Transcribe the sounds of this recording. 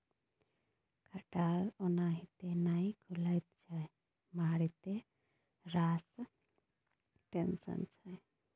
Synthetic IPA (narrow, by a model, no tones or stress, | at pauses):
kʰɐʈaːlɔnaɦit̪enajkʰulajt̪̚t͡ʃʰaj | maɽit̪e | ɾaːs | ʈensə̰nt͡ʃʰaj